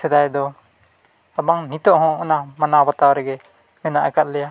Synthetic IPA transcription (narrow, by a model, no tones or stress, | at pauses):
sɛd̪ajd̪ɔ | abaŋnit̪ɔʔɦɔ̃ɔnamanawbat̪awɾɛɡɛ | mɛnaʔɛkat̪̚lɛja